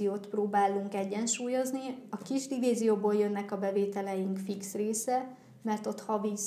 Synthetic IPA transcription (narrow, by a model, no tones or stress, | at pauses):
ijoːt̪proːbaːlːuŋkɛɟːɛnʃuːjo̞zniɒkiʒd̪iviːzijoːboːljønːɛkɒbɛveːt̪ɛlɛjiŋkfiksreːsɛ | mɛrt̪o̞t̪hɒvi